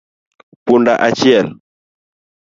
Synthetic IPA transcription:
pundaʔat͡ʃiɛl

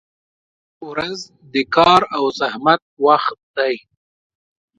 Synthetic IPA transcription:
ɾaz | d̪əkɑɾawzahmat̪̚waxt̪̚d̪̥aj

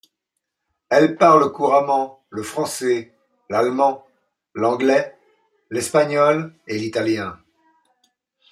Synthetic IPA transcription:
ɛlpaʁləkuʁamɑ̃ | ləfχɑ̃sɛ | lalmɑ̃ | lɑ̃ɡlɛ | lɛspaɲɔlelit̪aljɛ̃

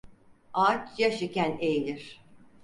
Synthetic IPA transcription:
aːt͡ʃʰjaʃicænejilʲiɾ̥

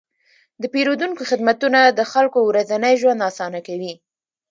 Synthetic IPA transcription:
d̪əpeɾod̪uŋkoxɪd̪mat̪unad̪əxalkowɾazanəjʒwand̪ɑsɑnakawi

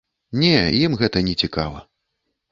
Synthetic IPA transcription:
nʲɛjimɣɛt̪ɐnʲɛt͡sʲika̰vɐ̰

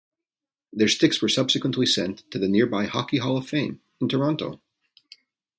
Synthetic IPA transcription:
ðə˞stɪkswə˞sʌb̥sɨkwə̃n̩ʔlisɛ̃ntʰɨðɨnɪɹbaɪhɑkiɦɑlˠʌv̥fẽɪ̃ñ | n̩tʰə˞ɑ̃ntoʊ

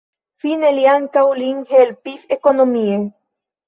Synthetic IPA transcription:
fineljaŋkauliŋhelpiθekonomie

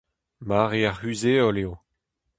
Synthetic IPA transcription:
maʁeaʁhyzeɔleo

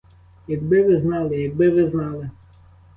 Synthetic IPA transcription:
jɐɡbɪʋɪznɑlˠɪjɐɡ̚bɪʋɪznɑlˠɪ

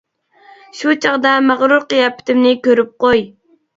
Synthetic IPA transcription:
ʃut͡ʃʰɑʁd̪ɛmæʁɾuɾqəjɑpʰɪ̥t̪ɪmnɪkʲøɾyp̚qoj

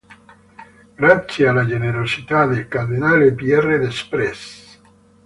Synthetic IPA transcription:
ɡ̥ɾat̪sːjealːad͡ʒeneɾosit̪ad̪elkard̪inaːlepiɛrːed̪espɾɛs

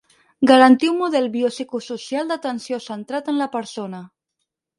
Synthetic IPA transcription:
ɡaɾant̪iunmuð̞ɛlβiosikususjald̪at̪ənsjosənt̪ɾat̪ənlapəɾsona

